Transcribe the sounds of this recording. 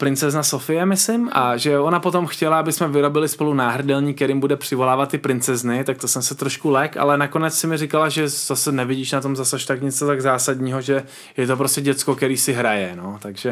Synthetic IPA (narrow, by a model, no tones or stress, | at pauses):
pɾɪnt͡sɛznaso̞fɪjɛmɪslɪmʔa̰ʒɛonapo̞t̪o̞mxcɛlaabɪsmɛvɪɾo̞bɪlɪspo̞lunaːɦr̩dɛlɲiːkɛɾimbudɛpr̝̥ɪvo̞laːvat̪̚ːɪpɾɪnt͡sɛznɪt̪ak̚t̪o̞sɛmsɛt̪ɾo̞ʃkulɛka̰lɛnako̞nɛt͡ssɪmɪrɪkalaʒɛz̥asɛnɛvɪɟiːʃnat̪o̞mzasaʃt̪akɲɛt͡s̪ot̪aɡzaːsadɲiːɦo̞ʒɛ | jɛt̪op̬ɾoscɛɟɛt͡sko̞kɛɾiːsɪɦɾajɛno̞t̪aɡʒɛ